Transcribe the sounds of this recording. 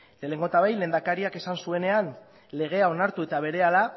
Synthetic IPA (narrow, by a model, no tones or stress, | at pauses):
lele̞ŋɡo̞t̪aβajle̞ːnd̪akaɾiake̞sansue̞ne̞an | le̞ɣ̞e̞ao̞naɾt̪ue̞t̪aβ̞e̞ɾe̞ala